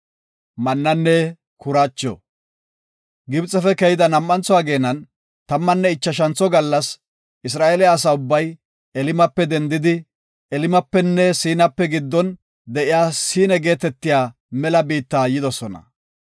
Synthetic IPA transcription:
mɐnːɐnːɛ | kʊɾat͡ʃːɔ̰ | ɡɪbt͡sʼːɛfɛkɛjɪd̪ɐnɐmːɐnt͡sɔwaːɡe̞ːnːɐn | t̪ɐmːɐnːɛɪt͡ʃːɐʃ̬ɐnt͡sːɔɡɐlːɐs | ʔɪs̬ɾaːʔelɪaːs̬ɐʊbːɐj | ɛlɪmɐpːɛd̪ɛnd̪ɪd̪ɪ | ɛlɪmɐpːɛnːɛsiːnɐpːɛɡɪd̪ːɔn | d̪ɛʔɪjaːsiːnɛɡe̞ːt̪ɛt̪ːɪjaː | mɛlɐbiːt̪ːaːjɪd̪ɔsɔnɐ̰

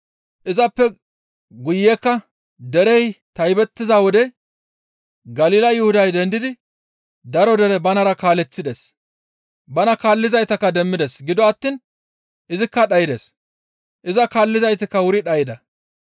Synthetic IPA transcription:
ʔɪzɐpːɛ | ɡʊjːɛːkːɐ | d̪ɛɾɛjt̪ɐjbɛt̪ːɪzawɔd̪ɛ | ɡɐliːlɐjʊhʊd̪ɐjd̪ɛnd̪ɪd̪ɪ | d̪ɐɾɔd̪ɛɾɛbɐnɐɾɐkaːlɛt͡sːɪd̪ɛs | bɐnɐkaːlːɪzɐjt̪ɐkːɐd̪ɛmːɪd̪ɛsɡɪd̪ɔɐt̪ːiːn | ʔɪzɪkːɐɗɐjɪd̪es | ʔɪzɐkaːlːɪzɐjt̪ɪkːɐwʊɾɪᶑɐjɪd̪ɐ

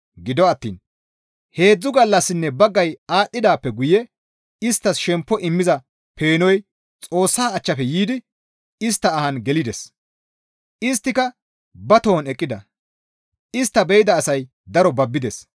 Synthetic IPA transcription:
ɡɪd̪ɔɐt̪ːḭːn | he̞ːd͡zːʊɡɐlːɐsːɪnːɛbɐɡːɐjaːtːɪd̪aːpːɛɡʊjɛ | ɪst̪ːɐsʃɛmpːɔʔɪmːɪzɐ | pʰe̞ːnɔj | t͡sʼo̞ːsːaːt͡ʃːɐpɛjiːd̪ɪ | ɪst̪ːɐːhɐnɡɛlɪd̪ɛs | ɪs̬t̪ːɪkɐ | bɐt̪oːnɛkʼːɪd̪ɐ | ɪst̪ːɐbɛjɪd̪ɐːsɐj | d̪ɐɾɔbɐbːɪd̪ɛs

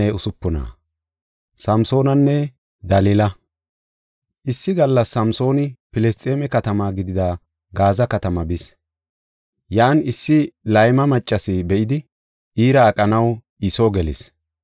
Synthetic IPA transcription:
ɛʊsʊpːɔna̰ː | sɐmso̞ːnɐnːɛ | d̪ɐlilɐ | ʔɪsːɪɡɐlːɐsːɐmso̞ːnɪpɪlɛst̪ʼeːmɛkɐt̪ɐmaːɡɪd̪ɪd̪ɐ | ɡaːzɐkɐt̪ɐmɐbɪs | jaːnɪsːɪlɐjmɐmɐt͡ʃʼːɐsɪbɛʔɪd̪ɪ | ʔiːɾɐːkʼɐnɐw | ɪsoːɡɛlɪ̰s

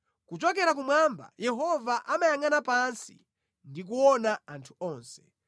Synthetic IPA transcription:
kut͡ʃɔkɛɾak̬umwamba̰jɛɦɔvaʔamajaŋanapansḭ | ndik̬uwɔnaantʰu̥ɔːnsɛ̥

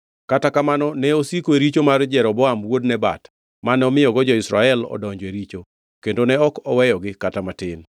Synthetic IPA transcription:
katakamanɔnɛosikoeɾit͡ʃomard͡ʒɛɾɔbɔamwodnɛba̰t | manɛɔmɪjɔɡɔd͡ʒɔɪsɾaɛlɔ̰dɔɲd͡ʒɔeɾit͡ʃo | kendonɛɔkɔwɛjɔɡɪkatamatɪn

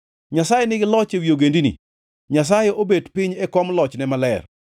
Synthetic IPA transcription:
ɲasajenɪɡɪlɔt͡ʃewjoɡendinḭ | ɲas̬ajeʔobedpɪɲɛkɔmlɔt͡ʃnɛmalɛ̰r

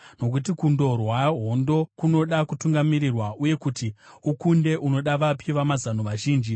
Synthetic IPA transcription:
no̞k̬utikundo̞rwaɦo̞ndo̞kuno̞ɗakutuŋɡamiɾirwaʔuje̞kutiukunde̞ʔuno̞ɗaʋapʰiʋamazanoʋaʒiːnd͡ʒi

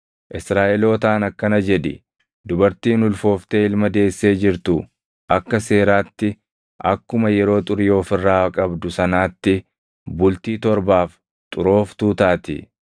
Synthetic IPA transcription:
ʔɪsɾaːʔɛlo̞ːt̪aːnɐkːɐnɐd͡ʒɛd̪ɪ̰ | d̪ʊbɐɾt̪iːnʊlfo̞ːft̪e̞ːɪlmɐd̪e̞ːsːe̞ːd͡ʒɪɾt̪ʊ | ʔɐkːɐse̞ːɾaːt̪ːɪ | ʔɐkːʊmɐjɛɾo̞ːt̪ʼʊɾjo̞ːfɪrːaːkʼɐbd̪ʊsɐnaːt̪ːɪ | bʊlt̪iːt̪ɔɾbaːf | t̪ʼʊɾo̞ːft̪uːt̪aːt̪ɪ̰

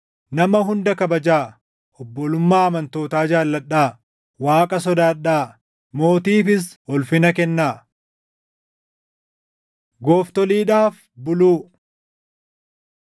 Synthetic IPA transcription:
nɐmɐɦʊnd̪ɐkɐbɐd͡ʒaː | ʔɔbːɔlʊmːaːɐmɐnt̪o̞ːt̪aːd͡ʒaːlːɐᶑːaː | waːkʼɐsɔd̪aːᶑaː | mo̞ːt̪iːfɪs̬ɔlfɪnɐkɛnːaː | ɡoːft̪ɔliːᶑaːf | bʊluː

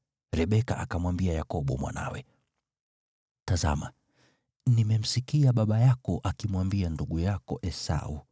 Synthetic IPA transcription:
ɾɛɓɛka̰ʔakamwambiajakɔɓɔ̰mwa̰na̰wɛ | taza̰ma | nimɛm̩sikiaɓaɓajakɔʔakimwambianduɠujakɔʔɛsa̰u

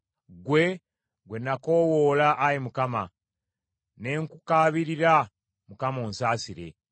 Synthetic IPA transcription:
ɡwe̞ | ɡwe̞nːako̞ːwoːlaʔːjimukama̰ | ne̞ŋkukaːβiɾiɾa | mukamo̞ːnsaːsiɾe̞̰

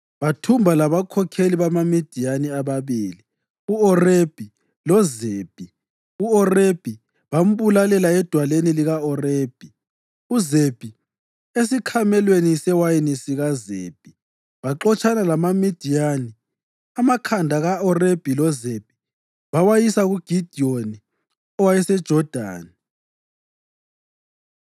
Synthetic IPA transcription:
βatʰumbʱalaβakʰɔkʰeliβamamid̥ʱijaniaβaβiːli | uɔreb̥ʱi | lɔzeːb̥ʱi | uɔreb̥ʱi | βam̩βulalɛlaɛd̥ʱwaleniliɣaɔreːb̥ʱi | uzeb̥ʱi | es̬ikʰamɛlwenisɛwajinisiɣazḛb̥ʱi | βaǁɔt͡ʃʰʼanalamamid̥ʱijani | amakʰandʱaɣaɔreb̥ʱilɔzeb̥ʱi̥ | βawajisaɣuɡ̥ʱid̥ʱioni | ɔwajɛsɛd̥ʒ̥ʱɔd̥ʱa̰ːni

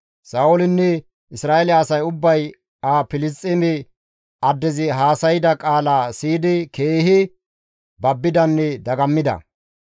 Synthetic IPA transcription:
saːʔɔlɪnːɛ | ʔɪsɾaːelːsɐjʊbːɐj | aːpɪlɪst̪ʼːɪmɛ | ʔɐd̪ːɛzɪɦaːsɐjɪd̪ɐkʼaːlaːsiːd̪ɪkʰeːhɪ | bɐbːɪd̪ɐnːɛd̪ɐɡɐmːɪd̪ɐ̰

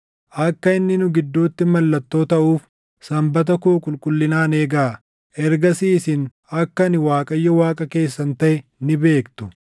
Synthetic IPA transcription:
ʔɐkːɐɪnːɪnʊɡɪd̪ːoːt̪ːɪmɐlːɐt̪ːo̞ːt̪ɐʔuːf | sɐmbɐt̪ɐkoːkʼʊlkʼʊlːɪnaːneːɡa | ʔɛɾɡɐsiːsɪn | ɐkːɐnɪwaːkʼɐjːɔwaːkʼɐke̞ːsːɐnt̪ɐʔɛnɪbe̞ːkt̪ʊ̥

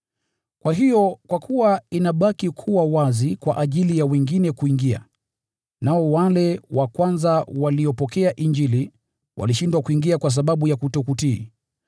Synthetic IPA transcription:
kwaɦijɔkwakʰuwainaɓakikʰuwawazikwa̰ʔaʄilijawɛŋɡinɛkuiŋɡia̰ | naɔwalɛwakwanzawaliɔpɔkɛaʔiɲd͡ʒili | wʔa̰liʃindwakuiŋɡiakwas̬aɓaɓujakutɔkutḭː

